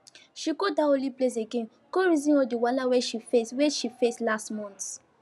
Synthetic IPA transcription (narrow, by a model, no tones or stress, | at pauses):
ʃikodaoliples̬eɡẽn | koɹizĩnɔdiwalaweʃifesweʃifeslastmɔ̃nt